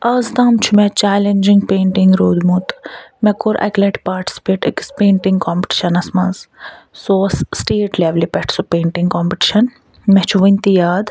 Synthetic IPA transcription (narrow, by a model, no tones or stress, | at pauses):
ɐzt̪aːmt͡ʃʰumɛt͡ʃaːlend͡ʒiŋɡpeːɳʈiŋɡɾoːd̪mut̪mɛkoɾʔɐ̰kleʈpaːɾʈi̥si̥peːʈikspẽːɳʈĩŋɡkoːmpi̥ʈi̥ʃɐnɐsmɐnzsoːsːʈeːʈleːʋlipɛʈʰsupeːɳʈĩŋɡkoːmpiʈi̥ʃɐn | mɛt͡ʃʰuʋint̪ijaːd̪